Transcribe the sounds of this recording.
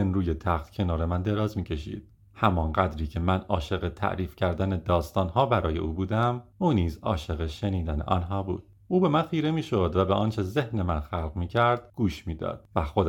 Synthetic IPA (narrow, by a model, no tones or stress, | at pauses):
enɾuːjet̪ʰæxt̪cʰe̞nɒːɾe̞mænd̪e̞ɾɒːzmiːcʰe̞ʃḭːd̪̥̚ | hæmɒːnɢæd̪ɾiːcʰe̞mænɒːʃe̞ɣe̞t̪ʰæ̰ʔɾiːfcʰæɾd̪æned̪ɒːst̪ɒːnhɒːbæɾɒːje̞ʔuːbuːd̪æmuːniːzɒ̰ːʃe̞ɣeʃe̞niːd̪ænḛʔɒ̰nɦɒːbṵːd̪̥̚ | ʔuːbe̞mænxiːɾe̞miːʃo̞d̪væbeʔɒnt͡ʃʰe̞ze̞hne̞mænxælɣmiːcʰæɾd̪̥ɡ̥uːʃmiːd̪ɒ̰ːd̪̥væxod̪